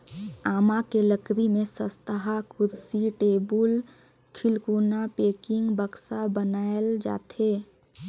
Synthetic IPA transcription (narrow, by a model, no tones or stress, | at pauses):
aːmakeləkɾimẽsəst̪əɦakʊɾsiʈeːbul | kʰɪlkuːnapeːkɪ̃ŋɡbəksabənaːeld͡ʒa̰ːt̪eː